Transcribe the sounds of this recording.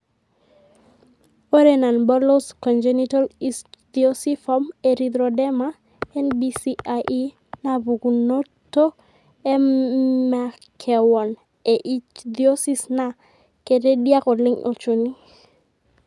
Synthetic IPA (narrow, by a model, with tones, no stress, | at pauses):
o˦ɾena˨nbɔ˦lo˦skɔ˨nd͡ʒenitɔ˦lisd̪io˦si˦fɔ˦meɾid̪ɾodɛ˦ma˦ | ɛ˦nbisiaʔi˦ | na˨bu˨ɡu˨no˦tːo˦ | ɛ˦ma˨ | kʰɛ˨wɔ˨n | e˨ʔi˦t͡ʃd̪io˦si˦sna˨ | ke˨de˦dja˦kɔ˨lɪ˦ŋʔo̰˨t͡ʃu˨ni˦